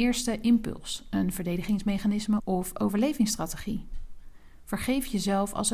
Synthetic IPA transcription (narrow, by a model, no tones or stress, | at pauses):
ɪːɹstəʔɪmpɵ̰lˠsənvəɹdejdəχɪŋsmejχanɪsməʔɔfo̰wvəɹlejvɪŋstraːteχi | v̥əɹχejfjəzɛlˠfɑ̰lˠs